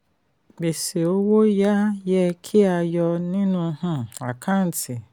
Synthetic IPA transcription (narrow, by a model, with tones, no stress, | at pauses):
ɡ͡be˨se˨o˦wo˦ja˦jɛ˦kʰi˦a˧jɔ˧nĩ˦nũ˧hã˦a˨kʰã˦n̩˨tʰi˨